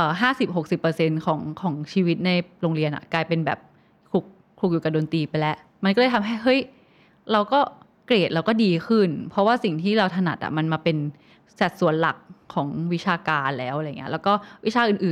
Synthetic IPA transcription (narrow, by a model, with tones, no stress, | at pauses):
ʔəː˨˩ɦaː˥˩si˨˩p̚ɦo˨˩k̚si˨˩pːɤ˧se˧nkʰɔː˩˦ŋkʰɔː˩˦ŋt͡ɕʰiː˧wi˦˥t̪̚na˧jɾoː˧ŋɾi˧ənʔa̰˨˩klaː˧jpe˧nbɛ̰ː˨˩p̚ | kʰu˨˩k̚ʰlu˨˩k̚juː˨˩ka˨˩doː˧nt̪iː˧pa˧jlɛ˦˥ʔ | ma˧nkɔː˥˩ɤː˧˩jt̪ʰa˧mɦa˥˩jɦɤ˦˥j | ɾa˧wkɔː˥˩ | kleː˨˩t̪̚ɾa˦˧wkɔː˥˩diː˧xʰɯ˥˩npʰɾɔ˦˥waː˥˩si˨˩ŋt̪ʰiː˥˩ɾa˧wt̪ʰa˧na̰˨˩t̪̚ʔa̰˨˩ma˧nmaː˧pe˧n | sa˨˩t̪̚su˨˩˦ənla̰˨˩k̚ʰːɔː˩˦ŋwi˦˥t͡ɕʰaː˧kaː˧nla˧lɛː˦˥wʔa˨˧jŋi˦ɐ˥lɛː˦˥wkɔː˥˩wi˦˥t͡ɕʰaː˧ʔɯː˨˩nʔɯː˨˩